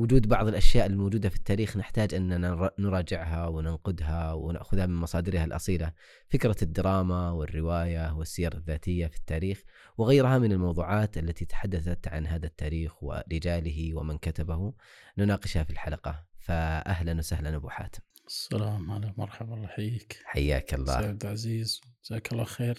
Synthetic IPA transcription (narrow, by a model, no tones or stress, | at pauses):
wʊd͡ʒuːd̪bɑʕðˤɪlʔaʃjaːʔɪlːimoːd͡ʒuːd̪afi̥t̪ːaːɾiːxnɪħt̪aːd͡ʒʔɪnːaanɾˤɑːd͡ʒɪʕɦawɪnanqʊd̪ɦawɪna̰ʔxʊðhamɪnmɑsˤɑːd̪ɪɾhalʔɑ̰sˤiːla | fɪkɾɑd̪ːɑɾˤɑːmawɪrːɪwaːjawɪsːɪjɑɾˤɪðːaːt̪ɪjːafi̥t̪ːaːɾiːx | wɪɣajɾɦamɪnɪlmɑwðˤuːʕɑːt̪ʔalːat̪it̪ḁħad̪ːaθat̪ʕa̰nɦaːðat̪ːaːɾiːxwɪ̰ɾɪd͡ʒaːlɪɦiwɪmɪnkat̪abahunʊnɑːqɪʃhafilħalɑqɑfaʔaɦlanwsahlanabʊ̰ħa̰ːt̪ɪ̥m | asːalaːmʕalamɑɾˤħɑbɑlˤːɑħjiːkħa̰jːa̰ːkɑlˤːa̰ːbd̪ʕaziːzd͡ʒz̥aːkɑlˤːɑːxeːɾ